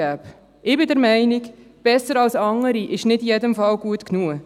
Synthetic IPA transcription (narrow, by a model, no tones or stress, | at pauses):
æːp | ɪbɪdɛɾmɛɪnik | b̥ɛsːəɾɑlsɑŋəɾiʔɪʃnɪtijɛdəmfɑlɡuətknuə